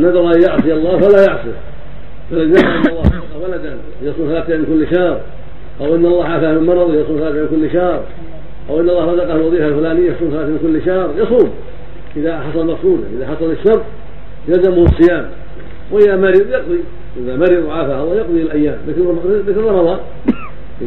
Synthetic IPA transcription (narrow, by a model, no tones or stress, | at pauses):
anːad̪ɾʔajjaʕsˤɨɑlˤːɑːfalajɑʕsˤḭ | falaðnahaʔɪnːɑlːɑːhɑqɑhwalad̪an | jɑsˤuːmθalaːθamɪnkʊlːʃɑhɾˤ | ʔawʔɪnːɑlˤːɑːʕaːfahmɪnmɑɾˤɑðˤjɑsˤuːmθalaːθamɪnkʊlːʃɑhɾˤ | ʔawʔɪnːɑlːɑːhɾˤɑd̪ɑqɑhalwɑðˤiːfalfʊlaːnɪjːajɑsˤuːmθalaːθmɪnkʊlːʃɑhɾˤjɑsˤuːm | ʔɪðaħɑsˤɑlmɑqsˤuːd̪a̰ʔɪðaħɑsˤɑlɪʃːɑɾˤt̪̚ˤ | jalzamʊhsˤːɨjaːm | wɪjamaɾijɑqd̪ˤi | ʔɪðamaɾiðˤʕaːfahɑlˤːjɑqd̪ˤiɪlʔajːaːmlakɪmlːklːˤɑmɑðˤɑːt̪